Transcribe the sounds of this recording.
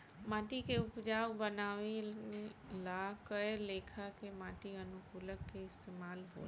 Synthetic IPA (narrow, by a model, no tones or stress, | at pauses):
mãːʈikʰeʊpd͡ʒaːʋbənaːʋi | lakəeleːkʰakʰemãːʈiɐnʊkuːləkkːeɪst̪eːmaːlɦo̰ː